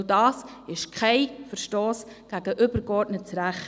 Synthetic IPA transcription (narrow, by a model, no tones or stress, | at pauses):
dɑːsɪʃkʰχaɪfəɾʃtoːs | ɡ̥æɡ̥əʔʏbəɾkɔɾtnətt͡sɾæχ